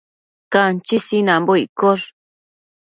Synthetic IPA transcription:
kant͡ʃisinãmboikoʐ

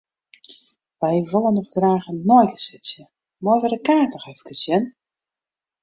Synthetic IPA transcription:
ʋɛjʋolˠənːɔχdraːɣənojɡəsɪsjə | mɔjʋədəkaːtəxɛfkʰəsjən

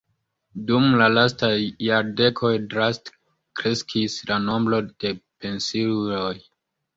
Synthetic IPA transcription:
dumlalastajːaɾde̞kʰo̞jdɾast | kɾe̞skʰislano̞mblo̞d̥e̞pe̞nsillo̞j

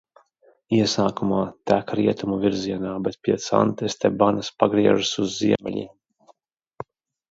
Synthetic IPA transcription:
iɛsaːkumaːt̪ækɾiɛt̪umuvʲiɾziɛnaːbɛt̪̚pʲiɛt̪sa̰nt̪ɛst̪ɛbanɨspaɡɾiɛʒasuzːiɛmʲɛ̰ʎʲḭ

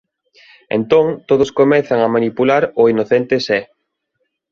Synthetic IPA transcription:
ḛnt̪oŋt̪oðʊskomɛθaŋamanipulaɾʊinoθent̪esɛ

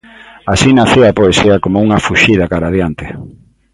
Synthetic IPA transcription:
asinaθiapoesiɐakomouŋɐfuʃiðakaɾaðjant̪ɪ

